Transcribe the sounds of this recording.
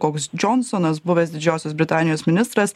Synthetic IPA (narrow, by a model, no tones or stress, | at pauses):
koːksd͡ʒʲɔnsɔnɐs̬bʊʋʲɛsd̪ʲɪd͡ʒʲɛʊsʲosbʲɾʲɪt̪ɑːnʲɪjoːsmʲɪnʲɪst̪ɾɐs